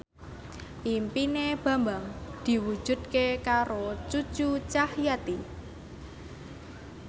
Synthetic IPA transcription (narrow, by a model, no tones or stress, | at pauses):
ʔimpineb̥ä̤mbaŋd̪̥i̤wu̥ʒ̥ṳd̪̚kekaɾot͡ʃu̥t͡ʃut͡ʃahjat̪i